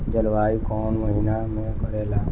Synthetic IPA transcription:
d͡ʒəlʋaːikɔːnməɦinamẽkəɾeːlaː

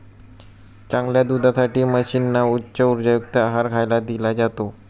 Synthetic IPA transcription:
t͡ɕãŋɡljad̪ud̪ʱasaʈiːməɕinːautːɕəuɾd͡ʑajukt̪əaɦaɾɡʱajlad̪ilad͡ʑat̪o

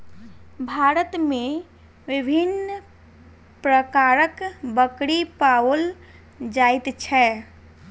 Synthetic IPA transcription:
bʱaɾət̪me | ʋibʱin | pɾəkaɾəkbəkɽipaəl | d͡ʒajt̪t͡ʃʰɛ

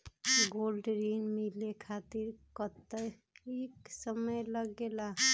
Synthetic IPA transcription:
ɡolɖɾinmilekʰat̪iɾkət̪ːəjeksəməjləɡːela

